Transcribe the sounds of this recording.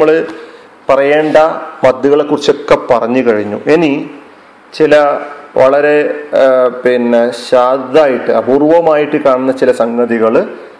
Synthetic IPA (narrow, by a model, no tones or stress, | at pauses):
ɐɭɨ | pɐrɐje̞ːɳɖɐmɐd̪juɣɐɭekːurit͡ɕːo̞kːepɐrɐɲːɨkɐɻiɲːuʔeni | t͡ɕilɐʋɐɭɐɾe̞ | pinːeɕaːd̪ðaːjiʈːɨɐburuʋɐmaːjiʈːɨkaːɳunːɐt͡ɕilɐsɐŋɡɐðiɣɐɭ